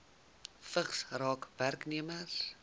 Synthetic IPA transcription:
fəχsrɑːkværkniəməs

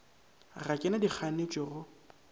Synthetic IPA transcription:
rakʼɪnadik͡xʰanet͡ʃʼɔrʊ

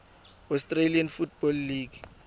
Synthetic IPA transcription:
ɔstralianfut̚bɔlːiɡ

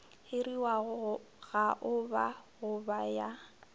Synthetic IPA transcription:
hɪɾiwaɣʊ | ɣaʔʊbaɣʊbaja

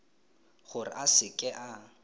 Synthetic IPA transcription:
χʊrɪ̰ʔasɪkʼɛʔa

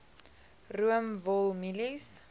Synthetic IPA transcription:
ruəmvɔlˠmilis

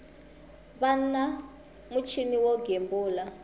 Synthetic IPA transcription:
βana | mut͡ʃʰiniwɔɡembuːla

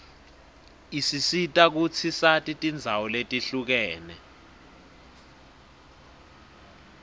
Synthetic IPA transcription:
isisitʼak̬ut͡sʰisatʼitʼind͡zʱawɔletʼiɬuk̬ɛːnɛ

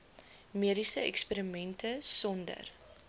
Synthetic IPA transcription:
miəɾisəɛ̰kspeɾimɛntəsɔndə̰r

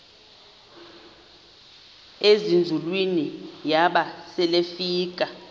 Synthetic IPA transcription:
ezind͡zʱulwinijaɓasɛlefiːk̬ʼa

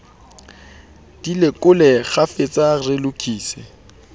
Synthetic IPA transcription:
d̥ilɪkʼʊlɛɣafɪt͡sʼarɪlʊkʰʼiːsɪ

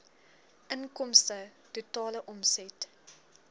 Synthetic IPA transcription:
ʔənkɔmstə | tutɑːləʔɔmsɛt

